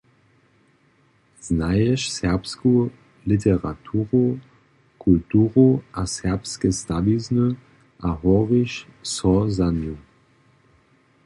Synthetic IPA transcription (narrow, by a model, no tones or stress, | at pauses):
z̥najɛʃsɛʁpsku | liteʁatʰuːʁo | kʰultuːʁoʔasɛʁpskəstaviznə | ʔaɦɔʁiʃsɔzanju